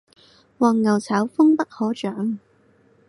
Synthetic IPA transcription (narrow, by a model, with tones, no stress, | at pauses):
wɔː˨˩ŋːɐ˨˩wt͡sʰɐː˨˥wfʊ˥ŋpɐ˥k̚hɔː˨˥t͡ʃœː˨˥ŋ